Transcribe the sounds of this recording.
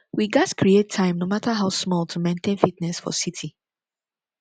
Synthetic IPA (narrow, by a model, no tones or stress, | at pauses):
wiɡaskɹietʰːãɪ̃mnomatʰaɦaʊsmɔlˠtʰumẽntʰẽnfitnɛsfɔ̰sitʰi